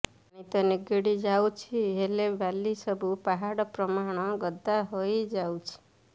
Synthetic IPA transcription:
nit̪ɔniɡiɽid͡ʒawt͡ʃʰiɦelebalisɔbupaɦaɽɔpɾɔmaɽ̃ɔɡɔd̪aɦojd͡ʒawt͡ʃʰi̥

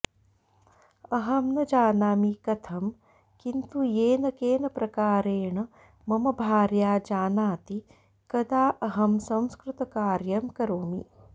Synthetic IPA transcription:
ɐɦɐmnɐd͡ʒaːnaːmikɐt̪ʰɐm | kint̪ueːnɐkeːnɐpɾɐkaːɾeːɳɐ | mɐmɐbʱaːɾjaːd͡ʒaːnaːt̪i | kɐd̪aːʔɐɦɐmsɐ̃w̃skɾut̪ɐkaːɾjɐmkɐɾoːmḭ

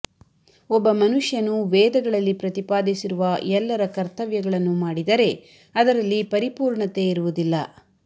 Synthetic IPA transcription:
ɔbːɐmɐnuʂjɐnuʋɛːd̪ɐɡɐɭɐlːipɾɐt̪ipaːd̪isiɾuʋɐɛlːɐɾɐkɐɾt̪ɐʋjɐɡɐɭɐnːumaːɽid̪ɐɾe̞ | ɐd̪ɐɾɐlːipɐɾipuːɾɳɐt̪e̞iɾuʋud̪ilːɐ

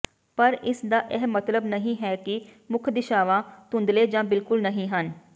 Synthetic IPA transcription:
pəɾɪsd̪aːʔɛɦmːət̪ləbnəɦĩːɦɛːkɪ | mʊkʰd̪ɪʃaːʋãːt̪ʊ̃nd̪leːd͡ʒãːbɪlkʊlnəɦĩːɦən

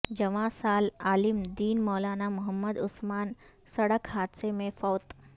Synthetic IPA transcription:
d͡ʒɐʋãsaːlaːlɪmd̪iːnmɔːlaːnamʊɦəmːəd̪ʊsmaːn | sɐɽəkɦaːd̪semẽfɔːt̪

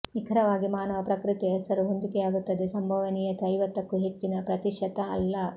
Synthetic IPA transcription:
nikʰɐɾɐʋaːɡimaːnɐʋɐpɾɐkɾit̪iɦɛsɐɾuɦond̪ikɛjaːɡut̪ːɐd̪esɐmbʱɐʋɐnijɐt̪ɐjʋɐt̪ːɐkːuɦet͡ʃːinɐpɾɐt̪iʃɐt̪ɐɐ̰lːɐ

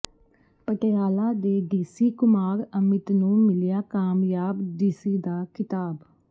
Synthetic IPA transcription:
pəʈejaːlaːd̪eːɖiːsiːkʊmaːɾəmɪt̪nũːmɪlɪjaːkaːmjaːbɖiːsiːd̪aːkɪt̪aːb

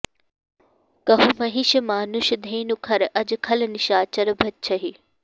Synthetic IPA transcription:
kɐɦumɐɦiʃmaːnuʃd̪ʱeːnukʰɐɾʔɐd͡ʑkʰɐlnɪʃaːt͡ɕɐɾbʱɐt̪t͡ʃʰɐɦi

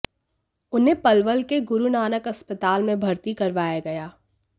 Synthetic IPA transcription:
ʊnɦẽpɐlʋəlkeɡʊɾunaːnəkɐspət̪aːlmẽbʱɐɾt̪ikɐɾʋaːjaɡɐjaː

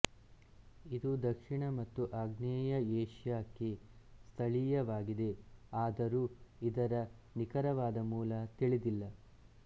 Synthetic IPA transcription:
id̪ud̪ɐkʂiɳɐmɐt̪ːuʔaɡnɛːjɐeːʂjaːkːest̪ʰɐɭijɐʋaːɡid̪e̞aːd̪ɐɾuːid̪ɐɾɐnikɐɾɐʋaːd̪ɐmuːlɐt̪iɭid̪ilːɐ

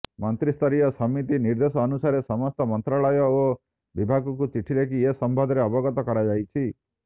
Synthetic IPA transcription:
mɔnt̪ɾist̪ʰɔɾijɔsɔmit̪iniɾd̪esɔːnusaɾesɔmɔst̪ɔmɔnt̪ɾaɭɔjɔo | bibʱaɡɔk̬ut͡ʃiʈʰiɾekiesɔmbʱɔd̪ʱɾeɔbɔɡɔt̪ɔkɔɾad͡ʒajt͡ʃʰi

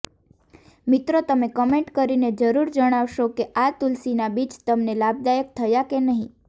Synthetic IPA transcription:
mit̪ɾot̪əmekəmeɳʈkəɾined͡ʒəɾuɾd͡ʒəɽ̃aʋʃokeʔat̪ulsinabit͡ʃt̪əmnelab̚d̪ajək̚t̪ʰəjakenəɦĩ

